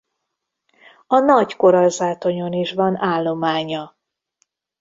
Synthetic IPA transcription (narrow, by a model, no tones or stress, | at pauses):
ɒnɒɟko̞ɾɒlzaːt̪o̞ɲo̞niʃvɒnaːlːo̞maːɲɒ